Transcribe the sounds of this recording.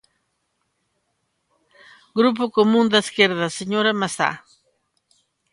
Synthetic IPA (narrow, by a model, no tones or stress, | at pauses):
ɡɾup̬okomund̪aiskjeɾðaseɲoɾamasa̰